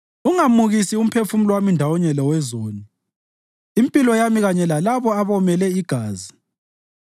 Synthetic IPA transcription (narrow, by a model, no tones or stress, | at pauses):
uŋamuɣisium̩pʰefum̩lwamindʱawɔɲɛlɔwɛzoːni | impʼilɔjamiɣaɲɛlalaβɔaβɔmɛlɛiɡ̥ʱaːzi